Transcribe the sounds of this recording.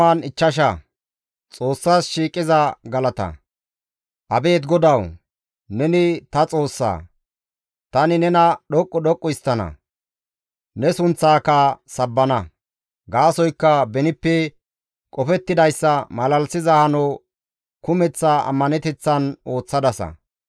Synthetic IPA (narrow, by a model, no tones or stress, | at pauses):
aːnɪt͡ʃːɐʃ̬ɐ | t͡sʼo̞ːsːaːsʃiːkʼɪzɐɡɐlɐt̪ɐ̰ | ʔɐbe̞ːt̪ɡɔd̪ɐw | nɛnɪt̪ɐt͡sʼo̞ːsːa̰ː | t̪ɐnɪnɛnɐɗɔkʼːɔɗɔkʼːɔjɪst̪ːɐnɐ̰ | nɛsʊnt͡sːaːkɐsɐbːɐnɐ | ɡaːsɔjkːɐbɛnɪpːɛ | kʼɔfɛt̪ːɪd̪ɐjsːɐmɐlɐlsɪzɐhɐnoː | kʊmɛt͡sːaɐ̰mːɐnɛt̪ɛt͡sːɐno̞ːt͡sːɐd̪ɐsɐ̰